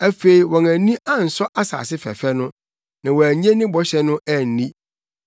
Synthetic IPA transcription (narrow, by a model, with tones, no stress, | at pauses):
æ˦fe˨i˨wɔ̃˨næ̃˨nĩ˦ʔã˦˨n̩˨sɔ˦ʔa˦sa̰ː˨sɪ˦fɛ̰˨fɛ˦nʊ̃˦ | nã˨wɔ˨æ˨ɲ˦ẽ˦nɪ̃˦bɔ˦ɕɛ˦nʊ̃˦ʔæ˦˨n̩˨nĩ˦